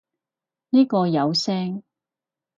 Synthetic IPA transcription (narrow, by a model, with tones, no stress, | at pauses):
niː˥kɔː˧jɐ˨˧wsɛː˥ŋ